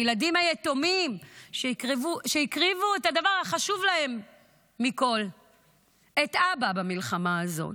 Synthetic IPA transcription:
jladimajeto̞mimʃekʁivuʃeikʁivuethadavaʁhaχaʃuvlahe̞mː | iko̞l | etʔababamilχamaːzo̞̰t

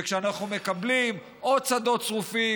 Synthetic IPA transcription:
kʃeanaχnume̞kablim | ʔo̞d̚t͡sad̪o̞t̪t͡sʁufi

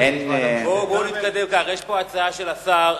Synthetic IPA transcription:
enbobonit̪̚kad̪e̞mkaːʁeʃpoat͡saaʃelasaʁ

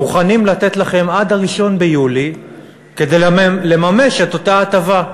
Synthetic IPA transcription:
uχanimlat̪e̞t̪laχe̞mad̪aʁiʃo̞nbejuli | ke̞d̪e̞jle̞mame̞ʃe̞t̪o̞taːt̪ava

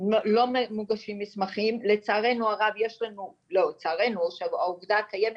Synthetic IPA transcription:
olo̞memuɡaʃimːismaχimle̞t͡saːʁe̞nuaʁavje̞ʃlanu | lo̞wt͡saːʁenuʃeauvd̪akajeme

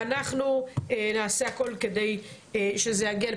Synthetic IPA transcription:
anaχnuenaːseako̞lked̪ej | ʃezejaɡial

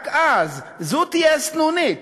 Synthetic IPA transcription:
kaz | zut̪iɛsnunɪk

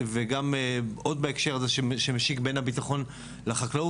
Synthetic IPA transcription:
veɡamo̞d̪̚baekʃe̞ʁazeʃeʃemeʃikbe̞nhabitaχo̞n | leχaklau

